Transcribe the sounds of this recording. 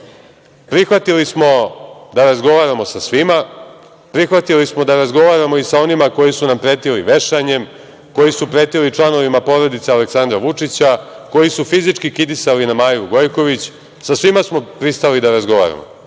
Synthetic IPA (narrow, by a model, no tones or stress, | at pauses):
pɾixʋat̪ilismo̞d̪aɾazɡo̞ʋaɾamo̞sasʋima | pɾixʋat̪ilismo̞d̪aɾazɡo̞ʋaɾamo̞isao̞nimako̞jisunampɾe̞ːt̪iliʋe̞ʃaɲe̞m | ko̞jisupɾet̪ilit͡ʂlˠano̞ʋimapo̞ɾo̞d̪it̪sealeksand̪ɾaʋut͡ʂit͡ɕa | ko̞jisufizit͡ʂkikid̪isalinamaːjuɡo̞jko̞ʋit͡ɕ | sasʋimasmo̞pɾist̪alid̪aɾazɡo̞ʋa̰ɾa̰mo̰